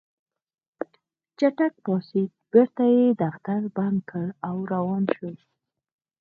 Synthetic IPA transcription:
t͡ʃaʈak̚pɑsik̚b̥eɾt̪ajed̪axt̪aɾband̪̚kʰəɭawɾawɑnʃə

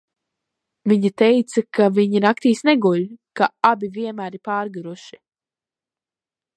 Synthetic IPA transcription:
viɲit̪ɛjt̪sakaviɲinakt̪iːsnɛɡuʎkaabiviɛnmæːɾipaːɾɡaɾuʃi̥

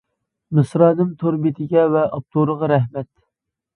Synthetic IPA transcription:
mɨsɾɑːnɨmt̪ʰoɾbit̪ʰɪɡʲɛvɛʔɑp̚t̪ʰuɾəʁɑɾɛɦmɛt̪

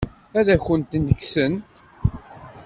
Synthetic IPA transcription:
æðæçənt̪nəkːsənt̪

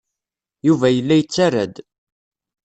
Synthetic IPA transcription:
juvæjəlːæjət͡sːaɾæd̪

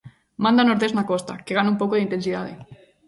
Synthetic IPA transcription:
mãnd̪anoɾðeznakɔst̪a̰keɣanumpokoðint̪ensiða̰ðḛ

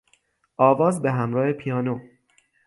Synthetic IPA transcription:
ʔɒːvɒːzbeɦæmɾɒːhe̞pʰijɒːno

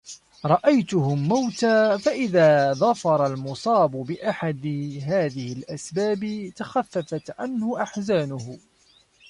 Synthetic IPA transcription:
ɾˤɑʔajt̪ʊɦʊmːawt̪aːfaʔɪðaːðˤɑfɑɾˤɑlmʊsˤɑːbʊbɪʔaħad̪ɪɦaːðɪhɪlʔasbaːbɪt̪axafːafat̪ʕanhʊʔaħzaːnʊhʊ

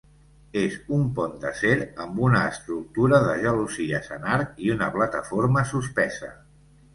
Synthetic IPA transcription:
ezumpɔnd̪əseɾəmbunəːst̪ɾuk̚t̪uɾəðəʒəluziəsənaɾkiunəplət̪əfoɾməsuspɛzə̰

